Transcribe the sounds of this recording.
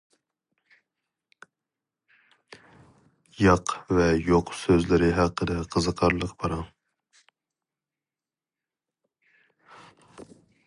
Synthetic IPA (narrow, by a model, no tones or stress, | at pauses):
jɑqvɛjoqsøzlɪɾɪɦɑqːəd̪ɛqʰəzɨqʰɑɾlˠəqbɑɾɑn